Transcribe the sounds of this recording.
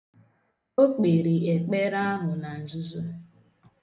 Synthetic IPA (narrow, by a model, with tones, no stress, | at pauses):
o˦k͡pe˨ɾi˨e˨k͡pe˦ɾa˦a˦ɦʊ˨na˨n̩˨zu˦zu˦